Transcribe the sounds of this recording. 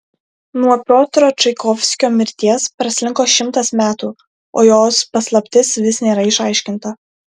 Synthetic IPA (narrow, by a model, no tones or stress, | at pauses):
nuɔpʲɾoːt̪ɾoːt͡ʃɐɪkɔfʲsʲkʲoːmʲɪɾʲt̪ʲiɛspɾɐsʲlʲɪŋkoːʃʲɪmt̪ɐsmʲæːt̪uː | o̰ːjoːspɐslˠɐpʲt̪ʲɪsʋʲɪsnʲeːɾɐɪʃɐɪʃʲkʲɪnt̪ɐ